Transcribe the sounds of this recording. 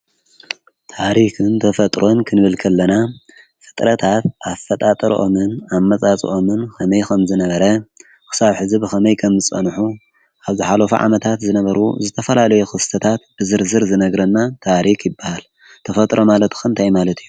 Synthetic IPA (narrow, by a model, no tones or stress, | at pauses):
t̪ʰaɾikɨnt̪ʰɐfɐt̪ʼɾo̞nkʰɨnɨβɨlkʰɐlːɐna | fɨ̥t̪ʼɾɐt̪ʰat̪ʔafːɐt̪ʼat̪ʼɐɾ̰ʔo̞̰mɨnamːɐt͡sʼat͡sʼḭʔomɨnkʰɐmɐjkʰɐmzɨnɐβɐɾɐ | kʰɨ̥saβħɨzibɨxɐmɐjkʰɐmzɨt͡sʼɐ̰nħu | ʔaβzɨħalofṵʕa̰mɐt̪ʰat̪zɨnɐβɐɾṵzɨt̪ʰɐfɐlalɐjuxɨst̪ʰɐt̪ʰat̪̚b̥ɨzɨɾzɨɾzɨnɐɡɾɐnːat̪ʰaɾikjɪbːahal | t̪ʰɐfɐt̪ʼɾo̞malɐt̪ʰxunt̪ʰajmalɐt̪ʰijːu